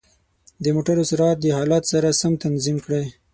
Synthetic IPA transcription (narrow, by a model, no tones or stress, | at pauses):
d̪əmoʈaɾosɾɑt̪̚d̪əhɑlɑt̪saɾasamt̪anzimkɽe